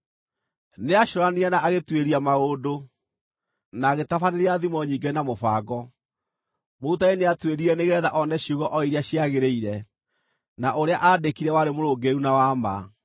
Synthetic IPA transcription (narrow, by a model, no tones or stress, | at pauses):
neaʃoɾaniɛnaʔaɣetweɾiamaodo | naɣetafaneɾeaðimɔɲiːŋɡenamofaɡɔ | moutaeneatweɾiɛneɣɛðaʔɔnɛɕuɣɔʔɔiɾjaɕiaɣeɾeiɾɛ | naʔoɾeaʔadekiɾɛwaɾemoɾoːɡeɾunawama̰